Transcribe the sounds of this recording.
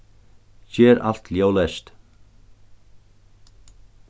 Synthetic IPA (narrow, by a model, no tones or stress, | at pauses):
çɛːɾa̰l̥t̪ljaːwlɛʃt̪